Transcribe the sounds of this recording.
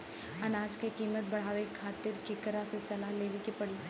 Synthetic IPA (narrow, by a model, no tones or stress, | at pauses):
ɐnaːd͡ʒkekiːmət̪̚bɐɽ̤aːʋekʰːaːt̪ɪɾkɪkɾasesɐlaːɦleːʋikepɐɽiː